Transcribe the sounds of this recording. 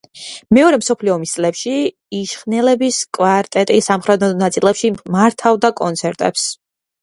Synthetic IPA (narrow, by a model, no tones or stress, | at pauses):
mɛɔɾɛmsɔpʰliɔːmist̪sʼlɛpʃi | iʃχnɛlɛbiskʼwaɾt̪ʼɛt̪ʼisamχɾɛd̪ɔnat̪sʼilɛpʃimaɾt̪ʰavd̪akʼɔnt̪sʰɛɾt̪ʼɛ̰ps